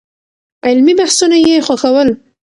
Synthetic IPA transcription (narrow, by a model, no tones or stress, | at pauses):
ɪlmibahsunajexwaxawəl